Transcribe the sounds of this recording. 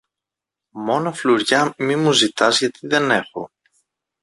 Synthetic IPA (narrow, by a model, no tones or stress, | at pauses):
mo̞nɐfluɾʝɐmimuzit̪ɐzʝɐt̪iðe̞ne̞xo̞̰